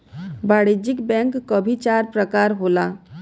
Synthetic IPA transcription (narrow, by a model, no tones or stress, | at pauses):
baːɽid͡ʒɪkbɛ̃ːŋkːobʱit͡ʃaːɾpɾəkaːɾɦoːlaː